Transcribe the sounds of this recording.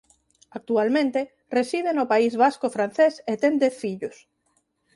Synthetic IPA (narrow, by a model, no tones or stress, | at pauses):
ak̚t̪ualmẽnt̪e | resið̞enopaizβaskofɾan̟θeset̪end̪eθfiʎʊs